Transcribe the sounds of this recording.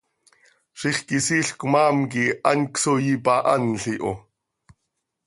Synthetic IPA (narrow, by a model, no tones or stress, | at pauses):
ʃiχkisiːɬkmɑːmkiʔanksojipɑʔɑnɬiʔo̰